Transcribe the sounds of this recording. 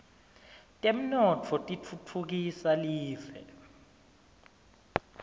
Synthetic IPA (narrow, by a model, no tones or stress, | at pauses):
tʼem̩nɔtʰɔtʼit͡fʰut͡fʰuk̬isaliːvɛ̰